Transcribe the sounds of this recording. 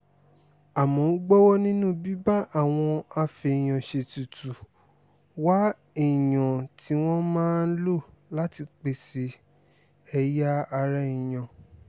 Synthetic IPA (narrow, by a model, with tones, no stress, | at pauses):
a˨mɔ̃˨˦ɡ͡bɔ˦wɔ˦nĩ˦nũ˦˨bi˦ba˦ʔa˦˨w̃ɔ̃˧a˧fe˧˨j̃ã˨ʃe˨tu˨tu˨ | wa˦ | i˦˨j̃ɔ̃˨ti˨˦w̃ɔ̃˦mãː˦n̩˦lo˦˨la˦ti˧k͡pe˨se˧ | ɛ˧ja˦a˧ɾɛ˦ĩ˨j̃ã˨